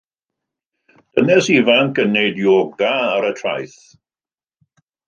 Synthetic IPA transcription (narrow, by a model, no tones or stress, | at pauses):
d̥ənɛsivankənejdjoːɡaːɾətʰra̰jθ